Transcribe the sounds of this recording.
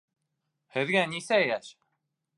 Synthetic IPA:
həðɡænisæjæθ

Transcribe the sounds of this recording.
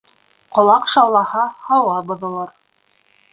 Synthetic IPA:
qŏlˠɑqʃɑwlˠɑhɑhɑwɑbŏðŏlˠɑɾ

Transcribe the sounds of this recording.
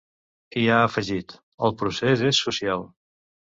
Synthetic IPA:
iaəfəʒit̪ | əlˠpɾusezesːusialˠ

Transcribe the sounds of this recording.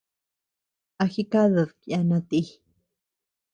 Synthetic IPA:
axikaðaðkianat̪i

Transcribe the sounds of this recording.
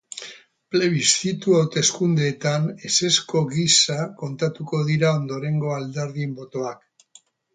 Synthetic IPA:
ple̞βist̪it̪uawt̪e̞skund̪e̞ːt̪ane̞se̞sko̞ɣisako̞nt̪at̪uko̞ð̞iɾao̞nd̪o̞ɾe̞ŋɡo̞ald̪eɾðimbo̞t̪o̞ak

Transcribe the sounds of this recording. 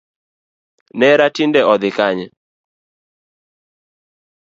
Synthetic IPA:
nɛɾatindɛɔd̪ɪkaɲɛ

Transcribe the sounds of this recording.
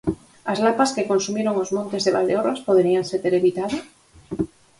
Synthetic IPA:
azlapaskekonsumeɾoŋozmõnt̪ezðeβa̰ld̪eoraspoðeɾianseɾt̪eɾeβit̪aðo

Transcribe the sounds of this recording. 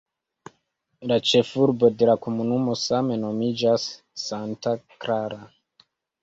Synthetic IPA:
lat͡ʃe̞fuɾbo̞de̞lako̞munumo̞same̞no̞mid͡ʒasː | antakɾaɾa

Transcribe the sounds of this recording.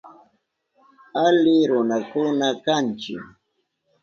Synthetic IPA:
alɪɾʊnakʊnakant͡ʃɪ̰k

